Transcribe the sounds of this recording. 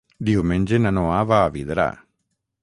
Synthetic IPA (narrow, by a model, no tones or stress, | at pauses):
d̪iɦumend͡ʒenɐnoaːʋaːʋid̪ɾa̰ː